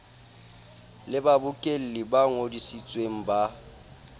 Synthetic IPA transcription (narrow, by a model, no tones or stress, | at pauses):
lɪbabʊkʼel̩lɪbaŋodisit͡sʼweŋ̩ba